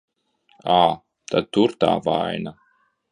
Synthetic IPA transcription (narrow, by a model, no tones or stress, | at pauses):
aː | t̪ad̪̚t̪uɾt̪a̰ːva̰jna